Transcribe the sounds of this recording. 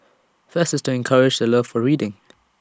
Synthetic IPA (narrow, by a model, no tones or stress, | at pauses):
fɜstəstʰuɛ̃nkʰaɹɪd͡ʒðələv̥fɔɹiːdɪ̃ŋ